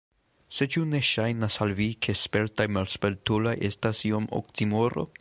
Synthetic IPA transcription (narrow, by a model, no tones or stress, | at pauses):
se̞t͡ʃune̞ʃajnasalvikʰe̞spe̞ɾtajmalspeltulajʔe̞stasiomo̰ktimoɾo̞̰